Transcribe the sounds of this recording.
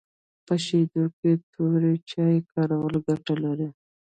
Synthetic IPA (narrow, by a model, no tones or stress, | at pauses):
pəʃed̪oket̪ʰuɾet͡ʃɑjekɑɾawəlɡaʈalaɾi